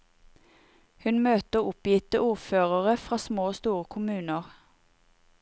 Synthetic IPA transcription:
hʉnmøːt̪əʊpjɪt̪əʔuːʁføːʁəʁəfʁɑːsmoːst̪uːʁəkʰʊmʉːnəʁ

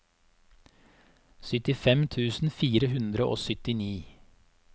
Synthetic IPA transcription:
sʏt̪ɪfɛmt̪ʰʉːsn̩fiːɾəhʉnd̪ɾəʔo̰ːsʏt̪ɪniː

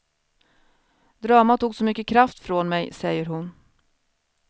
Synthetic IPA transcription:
d̪ɾɑːmat̪uːɡsɔmʏkːəkʰɾaft̪fɾoːnmɛjsɛjəɾɦʊn

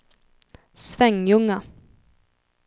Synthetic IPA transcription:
svɛŋjɵŋːa

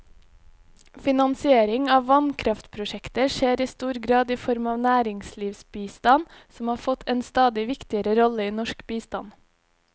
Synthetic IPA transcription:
fɪnɑnsɪeːɾɪŋɑːʋʋɑnkʰɾɑft̪pʰɾʊʃɛkt̪əʃeːɾiːst̪uːɾɡɾɑːd̪iːfɔɾmɑːʋnæːɾɪŋsliːʋsbiːst̪ɑnsɔmhɑːɾfɔt̪ʰeːnst̪ɑːd̪ɪʋɪkt̪ɪəɾəɾɔləiːnɔʃkbiːst̪ɑn

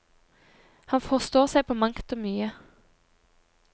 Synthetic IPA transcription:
hɑnfɔʁst̪oːʁsæɪpʰoːmɑŋkt̪oːmyːə

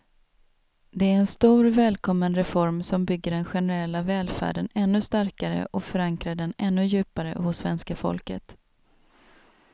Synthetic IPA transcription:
d̪ɛæɾɛnst̪uːɾvɛːlkʰɔmːənɾɛfɔɾmsɔmbʏɡːəɖɛnɧɛnəɾɛlːavɛːlfæ̰ːɖənɛnːɵst̪aɾkaɾə̰ʔɔfœɾaŋkɾaɖɛnɛnːɵjʉ̟ːpaɾə̰hʊsːvɛnskafɔ̰lkə̰t̪

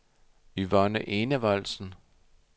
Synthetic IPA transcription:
yʋɒnəʔe̝nəʋɑl̰sn̩

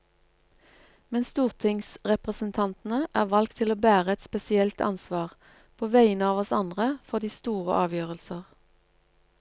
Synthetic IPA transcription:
mɛnst̪uːʁt̪ʰɪŋsʁɛpʁəsn̩t̪ʰɑnt̪n̩əʔæːʁʋɑlk̚t̪ʰɪloːbæːʁəɛt̪spɛsɪɛlt̪ʰɑ̰nsʋɑːʁ | pʰoːʋæɪnəɑːʋɔsɑnd̪ʁəfɔʁd̪iːst̪uːʁə̰ʔɑːʋjøːʁəlsəʁ

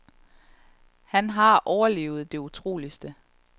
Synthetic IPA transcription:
hænɦɑ̈ʔɒʊɐle̝̰ːʊð̞̩ˠd̥e̝ut͡sʰʁo̝̰ːlisd̥ə

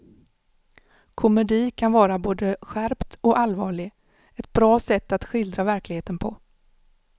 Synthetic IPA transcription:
kʰʊmɛd̪iːkʰanvɑːɾaboːd̪əɧæɾpt̪ɔʔalvɑːɭɪɡ | ɛt̪̚bɾɑːsɛt̪ːat̪ɧɪld̪ɾavæɾklɪɡheːt̪ənpʰɔ̰

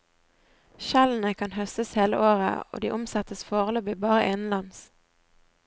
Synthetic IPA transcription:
ʃɛln̩əkʰɑnhœst̪əsheːlə̰ʔoːʁə̰o̰ːd̪iːʔʊmsɛt̪əsfoːʁəlœbiːbɑːʁəʔeːnn̩lɑns

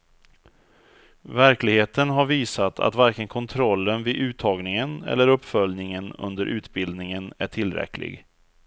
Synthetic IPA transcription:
væɾklɪɡheːt̪ənɦaɾviːsat̪ʰa̰t̪vaɾkənkʰɔnt̪ʰɾɔlːənvɪʔʉ̟ːt̪ʰːɑːɡnɪŋənɛ̰lːəɾɵpːfœljnɪŋənɵ̰nd̪əɾʔʉ̟ːt̪bɪld̪nɪŋənæʈʰɪlɾɛ̰klɪ̰ɡ

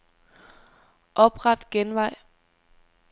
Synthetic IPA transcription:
ʔɒ̽b̥ʁɑ̈d̥ɡ̥enʋɑ̈ɪ̰

